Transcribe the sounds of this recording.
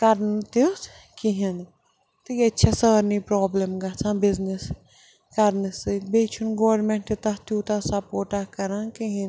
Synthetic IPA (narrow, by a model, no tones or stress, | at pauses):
kɐɾnt̪is | kiɦin | t̪ɨkɐtːʃʰasəːɾnipɾɔːblemɡɐt͡sʰãːbiznis | kɐɾnɨsɨk̚beːt͡ʃʰunɡoːɾmeɳʈit̪ɐɦt̪ut̪ɐsɐpoːʈakɐɾãnkiɦĩn